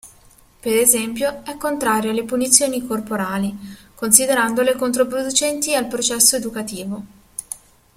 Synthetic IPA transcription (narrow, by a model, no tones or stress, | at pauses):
peɾezɛmpjoɛkːont̪ɾaːɾjoalːepunit̪sːjoːnikorpoɾaːlikonsid̪eɾand̪olekont̪̬ɾopɾod̪ut͡ʃɛnt̪ialpɾot͡ʃɛsːoed̪ukat̪iːvo